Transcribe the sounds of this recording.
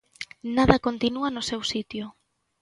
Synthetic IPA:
naðɐkont̪inuanʊsewsit̪jo

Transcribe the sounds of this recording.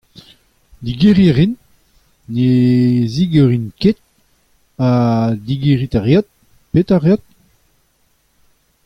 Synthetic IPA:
d̪iɡeʁiʁinː | eziɡøʁinket̪̚ | adiɡeʁit̪aʁjat̪̚ | pet̪aʁjat̪̚

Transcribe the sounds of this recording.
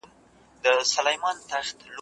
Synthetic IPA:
m | d̪əsalajmɑnt̪axt̪l

